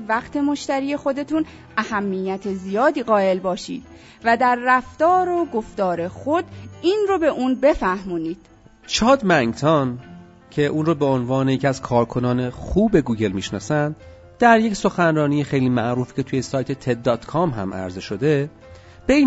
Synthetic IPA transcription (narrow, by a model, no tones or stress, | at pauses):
væqt̪ʰe̞mo̞ʃt̪æɾiːe̞xo̞d̪e̞t̪ʰun | æhæmːijːæt̪ʰezijɒːd̪iːɣɒːe̞lbɒːʃḭːd̪̥ | væd̪æɾːæft̪ɒːɾoɡo̞ft̪ɒːɾe̞xod̪̥inrobeʔuːnbe̞fæhmuːniːd̪̥ | t͡ʃʰɒːd̪mæŋt̪ʰɒn | cʰe̞ʔuːnɾoːbeonvɒːnejecʰæz̥kʰɒːɾkʰo̞nɒːne̞xuːbe̞ɡuːɟe̞lmiːʃnɒ̰ːsænd̪̥ | d̪̥æɾje̞cso̞xænrɒːniːjexejliːmæʔɾuːfi̥cʰe̞t̪ʰuːjesɒːjt̪ʰe̞t̪ʰed̪ːɒːt̪kʰɒːmɦæ̰mʔæ̰ɾzeʃo̞d̪e̞ | b̥eiː